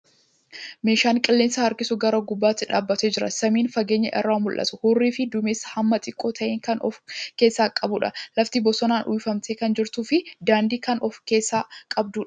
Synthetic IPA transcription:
me̞ːʃaːŋkʼɪlːe̞ːnsɐhɐɾkɪsʊɡɐɾoːɡʊbːaːt̪ːɪᶑaːbːɐt̪eːd͡ʒɪɾɐ̰sɐmiːnfɐɡe̞ːɲːɐʔɛ̰rːaːmʊlʔɐ̰t̪ʊhuːrːiːfɪd̪ʊmeːshɐmːɐt̪ʼɪkʼːoːt̪ʰɐʔeːŋkɐnɔ̰fke̞ːsːaːkʼɐbʊᶑɐ̰lɐft̪ibɔsɔnaːnʔṵːjfɐmt̪eːkɐnd͡ʒɪɾt̪uːfɪd̪aːnd̪iːkɐnʔɔfkeːsːaːkʼɐb̚d̪uːᶑɐ̥

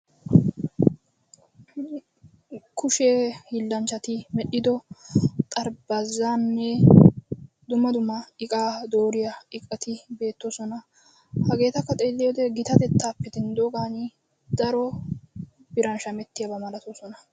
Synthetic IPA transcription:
kʊʃeːhɪlːɐnt͡ʃːɐt̪ɪmɛɗɪd̪ɔt̪ʼɐɾbɐzaːnːɛ | d̪ʊmɐd̪ʊmɐɪkʼaːd̪o̞ːɾɪjɐɪkʼːɐt̪ɪbe̞ːt̪ːosɔnɐ | hɐɡe̞ːt̪ɐkːɐt̪ʼeːlːɪjod̪ɛɡɪt̪ɐt̪ɛt̪ːaːpːɛd̪ɪnd̪oːɡaːni | d̪ɐɾɔ | bɪɾɐnʃɐmɛt̪ːɪjɐbɐmɐlɐt̪oːsɔnɐ

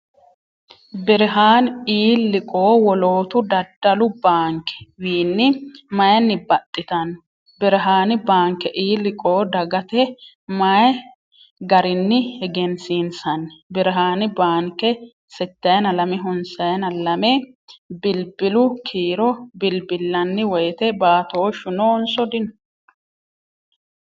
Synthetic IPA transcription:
bɪɾɪɦaːniːlːɪkʼo̞ːwɔlo̞ːt̪ʊd̪ɐd̪ːɐlʊbaːŋkɛ̥wiːnːɪmɐjɐnːɪbɐt̪ʼːɪt̪ɐnː | bɪɾɪɦaːnɪbaːŋkɛʔiːlːɪkʼoːd̪ɐɡɐt̪ɛ | mɐj | ɡɐɾɪnːɪhɛɡɛnsiːnsɐnːbɪɾɦaːnɪbaːŋkːɛ | sɛt̪ːɐjɐnɐlɐmɪɦʊnsɐjɐnɐlɐmɛ | bɪlbɪlʊkʰiːɾɔbɪlbɪlːɐnːɪwɔjt̪ɛbaːt̪oːʃʊnoːnsɔd̪ɪn

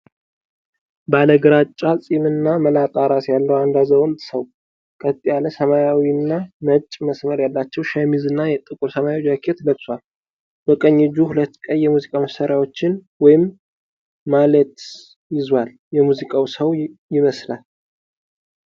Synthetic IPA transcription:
baləɡɨɾat͡ʃʼːasʼimɨnːaməlat̪ʼaɾat̪jalːəwand̪azəwɔlt̪ʼsəw | kʼət̪ʼːijaləsəmajawiɨnːamət͡ʃʼməsməɾjalːat͡ʃːɛwʃamizɨnːajɛt̪ʼɨkʼuɾsəmajawd͡ʒakʰet̪ləɡswal | bɔkʼəɲːɪd͡ʒuhulət̪ːkʼəjːɛmuzikʼaməsaɾjawo̞t͡ʃːɪnwɔjɪmː | alət̪ | jɪzwal | jɛmuzikʼawsəwjɪməslal

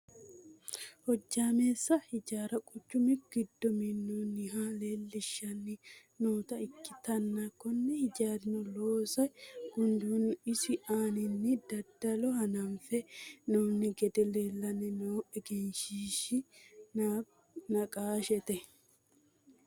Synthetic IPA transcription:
hɔd͡ʒːaːmeːsːɐhɪd͡ʒaːɾɐkʼʊt͡ʃːʊmɪɡ̥ɪd̪ːɔmɪnːoːnɪɦaːle̞ːlːɪʃːɐnːɪ | noːt̪ɐɪkːɪt̪ɐnːakɔnːɛhɪd͡ʒaːɾɪnɔloːsɐɡ̥ʊnd̪uːnɪsɪʔaːnɪnːɪd̪ɐd̪ːɐlɔhɐnɐmfɛnoːnːɪɡɛd̪ɛleːlːɐnɛnoːɛɡɛnʃiːʃɪna | nɐkʼaːʃɛt̪ɛ

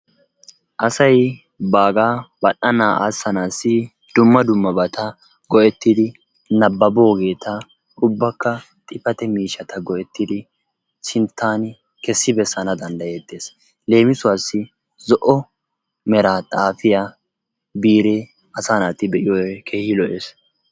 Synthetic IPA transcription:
ʔɐsɐj | baːɡaːbɐɗɐnaːʔa̰sːɐnaːsːɪ | d̪̥ʊmːɐd̪ʊmːɐbɐt̪ɐ | ɡɔʔɛt̪ːɪd̪ɪ | nɐbːɐboːɡe̞ːt̪ɐ | ʊbːɐkːɐ | t̪ʼɪfɐt̪ɛmiːʃɐt̪ɐɡɔʔɛt̪ːɪd̪ɪ | sɪnt̪ʰːaːn | kɛsːɪbɛsːɐnɐd̪ɐnd̪ɐjeːd̪ːe̞ːs | le̞ːmɪsʊwaːsːɪ | zɔʔɔ | mɛɾaːt̪ʼaːfɪjaː | biːɾe | ʔɐsaːnaːt̪ɪbɛʔɪjɔɛkʰeːhɪlɔʔeːs

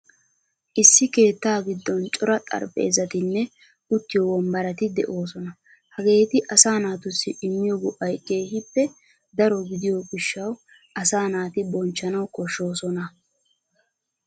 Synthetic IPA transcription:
ʔɪsːɪke̞ːt̪ːaːɡɪd̪ːɔnt͡ʃʼɔɾɐt̪ʼɐ̰ɾpʼːe̞ːzɐt̪ɪnːɛ | ʊt̪ːɪjɔwɔmbɐɾɐt̪ɪd̪ɛ̰ʔo̞ːsɔnɐ | hɐɡe̞ːt̪ɪʔɐsaːnaːt̪ʊsːɪʔɪmːɪjɔɡɔʔɐjkʼːeːɦɪpːɛ | d̪ɐɾɔɡɪd̪ɪjoɡɪʃːɐw | ʔɐsaːnaːt̪ɪbɔnt͡ʃːɐnɐwkɔʃːo̞ːsɔnɐ

